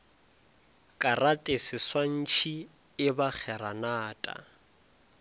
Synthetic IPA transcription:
kʼaratʼesɪswan̩t͡ʃʰi | ɪbak͡xʰɛɾanaːtʼa̰

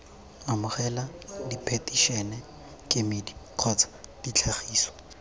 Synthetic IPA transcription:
amʊχɛladipʰetiʃɛnɛ | kʼɪmidiq͡χʰɔt͡sʰḁd̥it͡ɬʰaχiːsɔ̥

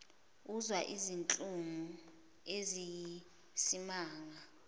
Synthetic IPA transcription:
uzwaʔizint͡ɬʼuŋu | ezi | simaːŋa

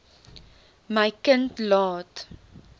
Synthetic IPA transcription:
məjkəntlɑːt

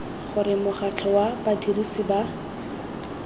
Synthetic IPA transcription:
χʊɾɪmʊχat͡ɬʰɔwabadirisiba

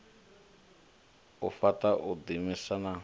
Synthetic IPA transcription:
ufataʔud̪imisana

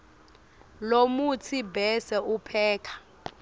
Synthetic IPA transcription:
lomut͡sʰibɛsɛupʰɛːkʰḁ

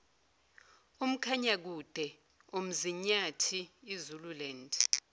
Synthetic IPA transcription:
um̩kʰaɲak̬ud̥ʱɛ | om̩ziɲatʰiːzululɛnd

